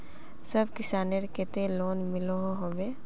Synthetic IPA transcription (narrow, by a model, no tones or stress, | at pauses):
səbkɪsaːneɾket̪eloːnmɪloɦoɦoːʋe